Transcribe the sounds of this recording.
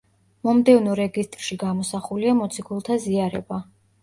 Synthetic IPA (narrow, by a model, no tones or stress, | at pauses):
mɔmd̪ɛvnɔɾɛɡist̪ʼɾʃiɡamɔsaχuliamɔt̪sʰiɡulˠt̪ʰaziaɾɛ̰ba